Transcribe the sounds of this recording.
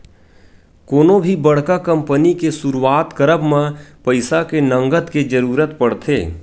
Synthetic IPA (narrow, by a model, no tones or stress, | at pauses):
koːnõbʱibɐɽ̤kakɐ̃mpənikesuɾuwaːt̪kəɾəbmẽpəɪsakenə̃ŋɡət̪ked͡ʒəɾuːɾət̪pɐɽt̪ʰḛː